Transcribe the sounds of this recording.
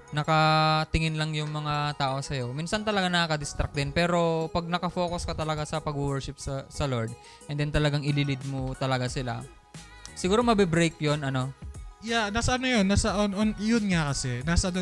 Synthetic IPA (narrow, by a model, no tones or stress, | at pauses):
nɐkɐt̪ɪŋɪnlɐŋjʊŋmɐŋat̪aːʔo̞sɐjo̞miːnsɐnt̪ɐlɐɡanɐkakɐd̪ɪst̪ɾɐk̚d̪ɪnpɛːɾo̞pɐɡ̚nɐkɐfo̞ːkoskɐt̪ɐlɐɡasɐpɐɡuwɛɹʃɪp̚sɐsɐloɹd̪̚ | ʔɛnd̪ɛnt̪ɐlɐɡaŋʔɪlɪlɪd̪̚mot̪ɐlɐɡasɪla̰ | sɪɡuːɾo̞mɐbɪbɾejkjonʔɐno̞janaːsɐʔɐnojonːaːsɐʔonʔonjonŋakɐsɛnaːsɐd̪o